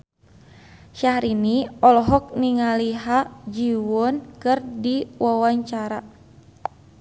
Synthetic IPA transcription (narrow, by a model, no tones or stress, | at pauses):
ʃahɾiniɔlɔɦɔk̚niŋaliɦad͡ʒiwɔnkɨrdiwawaɲt͡ʃaɾa